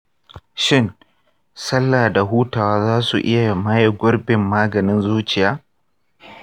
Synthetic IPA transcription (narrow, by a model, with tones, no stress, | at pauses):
ʃɪ˦n | sɐ˦lːaː˨da˨ɦuː˦taː˨waː˦zaː˦su˨ʔɪ˦ja˨ma˦ja˨ɡʷʊ˦ɽbɪ˨mːaː˦ɡɐ˨nɪ˦nzuː˦t͡ʃɪ˨jaː˦